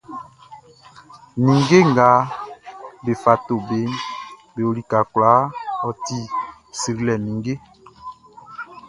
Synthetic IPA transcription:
ni˨ŋɡe˦ŋ˨ɡa˨˦ | be˨fa˨to˨be˦nbe˨o˨li˨ka˨kla˨˦ɔ˨ti˦˨ | si˨ɾi˦lɛ˨ni˨ŋɡe˦

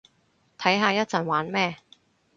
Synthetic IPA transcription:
t̪ʰɐ˨˥jɦaː˧jɐ˥t̚t͡sɐ˨˩nwaː˨˥nmɛː˥˧

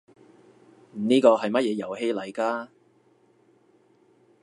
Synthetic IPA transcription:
m̩˨˩niː˥kɔː˧ɦɐ˨jmɐ˥t̚jɛː˨˧jɐ˨˩whe˧jlɐ˨˩jkaː˧

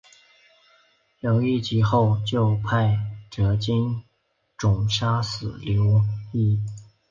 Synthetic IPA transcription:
ljo˧˥ʊi˥˧t͡ɕi˧˥xo˥˧ʊt͡ɕjo˥˧ʊpʰa˥˩ɪʈ͡ʂɤ˧˥t͡ɕi˥n | ʈ͡ʂʊ˨˩ŋʂa˥sɹ̩˨˩ljo˧˥ʊi˥˩

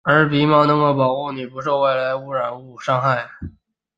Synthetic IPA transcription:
ə˞˧˥pi˧˥mɑ˥˩nɤ˧˥ŋɡo˧pɑ˨˩ʊxu˥˩ni˨˩pu˧˥ʂ̬o˥˧ʊwe˥˩ɪla˧˥ɪu˥˩ɻa˨˩nu˥˩ʂɑ˥ŋxa˥˩ɪ

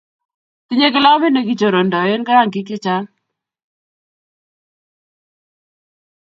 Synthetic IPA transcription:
ti˦ɲe˦kɪ˦lɔ˦me˦ne˨ki˨t͡ʃo˨ɾo˨ndɔ˨je˦nka˦ɾa˦˨ŋki˦k̬ɪ˦t͡ʃa˦ŋ

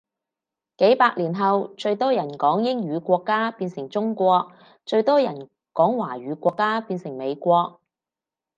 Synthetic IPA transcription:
ke˨˥jpaː˧k̚liː˨˩nɦɐ˨wt͡ʃɵ˧ɥt̪ɔː˥jɐ˨˩nkɔː˨˥ŋjɪ˥ŋɥyː˨˧kʷɔː˧kːaː˥piː˧nsɪ˨˩ŋt͡sʊ˥ŋkʷɔː˧k̚ | t͡ʃɵ˧ɥt̪ɔː˥jɐ˨˩n | kɔː˨˥ŋwaː˨˩ɥyː˨˧kʷɔː˧kːaː˥piː˧nsɪ˨˩ŋme˨˧jkʷɔː˧k̚

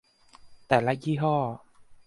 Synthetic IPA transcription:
t̪ɛː˨˩la˧˥jiː˧˥ɦɔː˥˩

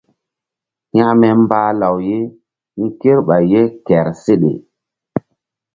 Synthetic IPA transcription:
ɲa˦ʔmɛ˦m˦baː˦la˨wje˦ | mĩ˦ke˦ɾɓa˨jːe˦kɛ˨ɾse˦ɗḛ˨

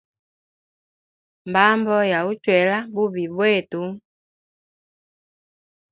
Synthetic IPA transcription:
mba˦mbɔ˦ja˨u˦t͡ʃwɛ˨la˦bu˦βi˨bwɛ˦˨tu˨˦

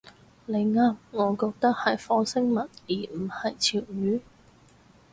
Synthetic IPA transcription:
le˨˧jŋaː˥mŋɔː˨˧kɔː˧k̚t̪ɐ˥k̚hɐ˨jfɔː˨˥sɪ˥ŋmɐ˨t̚jiː˨˩m̩˨˩hɐ˨jt͡sʰiː˨˩wjyː˨˥

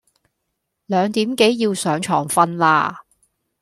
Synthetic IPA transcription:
lœː˨˧ŋt̪iː˨˥mke˨˥jːiː˧wsœː˨˥ŋt͡ʃʰɔ̰ː˨˩ŋfɐ˧nlaː˧

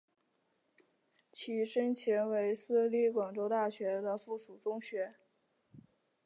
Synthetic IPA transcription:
t͡ɕʰi˧˥ʂə˥nt͡ɕʰjɛ˧˥nwe˧˥ɪsɹ̩˥li˥˩kwɑ˨˩ŋʈ͡ʂo˥ʊt̪a˥˩ɕɥɛ˧˥d̪ə˧fu˥˩ʂu˨˩ʈ͡ʂʊ˥ŋɕɥɛ˧˥

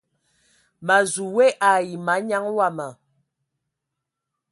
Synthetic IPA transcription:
ma˨zu˨we˦ʔa˨ji˨ma˨˦ɲa˦ŋwa˦˨ma˨

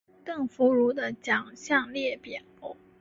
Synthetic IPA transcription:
t̪ɤ˥˩ŋfu˧˥ɻu˧˥d̪ə˨t͡ɕjɑ˨˩ŋɕjɑ˥˧ŋljɛ˥˩pjɛ˨˩no˥

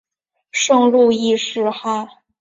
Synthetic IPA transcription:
ʂɤ˥˧ŋlu˥˧i˥˧ʂɻ̩˥˧xa˥˩

